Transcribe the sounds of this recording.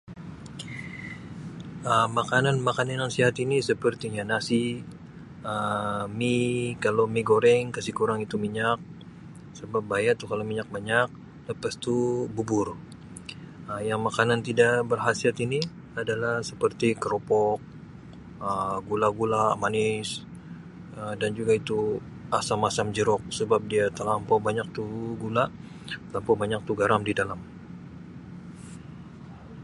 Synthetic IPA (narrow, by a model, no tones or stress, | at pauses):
əmakananmakananjaŋsiɦat̪inisəpərt̪iɲanasi | əmikalomiɡoɾɛŋkasikuɾaŋit̪umiɲak̚ | səbap̚bajaʔt̪uhkalomiɲak̚baɲak̚ | ləpast̪ububʊr | əjaŋmakanant̪idaʔbərɦasiat̪ini | adalahsəpərt̪ikəɾopɔk̚ | əɡulaɡulamanɪs | ədand͡ʒuɡait̪u | asamasamd͡ʒəɾɔk̚səbap̚diat̪əlampɔbaɲak̚t̪uɡulaʔ | t̪əlampɔbaɲak̚t̪uɡaɾamdidalam